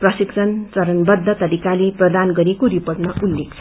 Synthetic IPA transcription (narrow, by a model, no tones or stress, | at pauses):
prʌsikt͡sʰʌnt͡sʌɾʌnbʌd̪ʱːʌt̪ʌɾikaleprʌd̪anɡʌɾikoɾipoʈnʌʔulːekt͡sʰ